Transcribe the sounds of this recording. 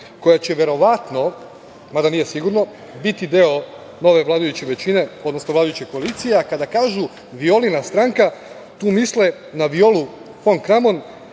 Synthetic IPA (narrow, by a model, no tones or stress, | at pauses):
ko̞jat͡ɕe̞ʋe̞ɾo̞ʋat̪no̞ | mad̪anije̞siɡuɾno̞ | bit̪id̪eo̞ | no̞ʋe̞ʋlaːd̪ajut͡ɕeʋe̞t͡ɕine̞o̞d̪no̞sno̞ʋlaːd̪ujut͡ɕeko̞alit̪sijeakad̪akaːʒu | ʋio̞linast̪ɾaːŋka | t̪uːmisle | naʋio̞lu | foŋkɾamo̞n